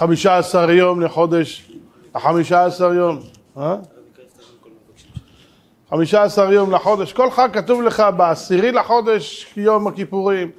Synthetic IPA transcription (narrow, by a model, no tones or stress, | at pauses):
χamiʃaːsaʁjo̞mleħo̞d̪eʃ | leħamiʃaːsaʁjo̞m | ha | χamiʃaːsaʁjo̞mleħo̞d̪e̞ʃko̞lχaɡ̚kːat̪uvleχabeasiʁilaħo̞d̪e̞ʃjo̞makipuʁim